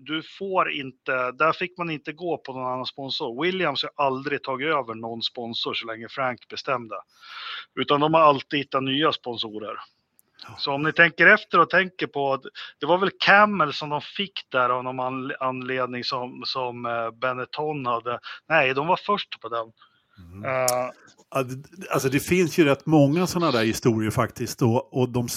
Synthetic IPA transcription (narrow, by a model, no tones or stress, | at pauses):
d̪ɵfoːɾɪ̰nt̪əd̪æfɪkːmanɪnt̪əɡoːpʰɔnɔnanːanspɔnsʊɾwɪljamskaʔald̪ɾɪt̪ʰɑːɡɪøːvəɳɔnːspɔnsʊɾʂɔlɛŋːəfɾaŋkbɛst̪ɛmd̪ə | ʉ̟ːt̪and̪ɔmhaɾalt̪ɪhɪt̪ːat̪nyːaspɔnsuːɾəɾ | sɔɔmnɪt̪ʰɛŋkəɾɛft̪əɾɔt̪ʰɛŋkəɾpʰɔt̪d̪̥ɛvaɾvɛlkʰæmːəlsɔmd̪ɔmfɪkːd̪æɾavnɔnananleːd̪nɪŋsɔmsɔmbɛnːɪt̪ʰɔnhad̪ːənɛɪd̪ɔmvafœʂʈpʰɔd̪ɛm | alsɔd̪ɛfɪnsjɵɾɛt̪ːmɔŋːasɔnːad̪æːɾhɪst̪uːɾɪəɾfakt̪ɪst̪ɔːd̪ɔm